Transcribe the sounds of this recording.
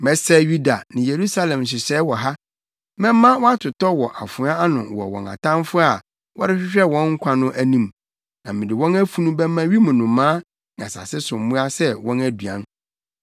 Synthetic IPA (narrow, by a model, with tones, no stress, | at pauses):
mɛ˨˦sɛ˦ju˦da˨nɪ̃˨je˨ɾu˦sa˦lɛ̃˨mɕ̬ɪ˨sɛː˨˦wɔ˨ɦa˦ | mɛ̃˦mã˦wɔ˦a˦tʰʊ˨tɔ˦wɔ˨ʔa˨fʊ˨˦a˦a˦nʊ̃˨wɔ̰˨wɔ̰̃˨na̰˨tʰã˦m˦fʊ˦a˨ | wɔ̰˦ɾɪ˦ɕᶣɪ˦ɕᶣɛ˦wɔ̃˦ŋŋ̩˦kʷʰã˦nʊ̃˦ʔæ˦nĩ˦m | nã˨mɪ̃˨dɪ˨wɔ̃˦næ˦fu˦nũ˦bɛ˦mã˦ɥi˦mʊ̃˨nʊ̃˨mãː˦ | nɪ̃˨a̰˨sa̰˨sɪ˦sʊ̃˨m˨mũ˦a˦sɛ˦wɔ̃˦næ˦du˨ã̰˦n